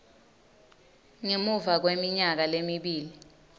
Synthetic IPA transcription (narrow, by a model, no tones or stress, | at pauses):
ŋemuvak̬wemiɲak̬alemiɓiːli